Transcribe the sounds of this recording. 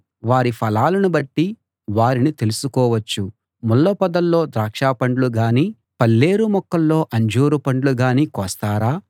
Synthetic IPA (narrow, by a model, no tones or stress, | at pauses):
ʋaːɾipʰɐlaːlɐnubɐʈːi | ʋaːɾinit̪e̞lusukɔːʋɐt͡ʃːu | mulːɐpɐd̪ɐlːo̞ːd̪ɾaːkʂaːpɐɳɖluɡaːniː | pɐlːe̞ːɾumɔkːɐlːo̞ːʔɐɲd͡ʒoːɾupɐɳɖluɡaːniːkɔːst̪aːɾaː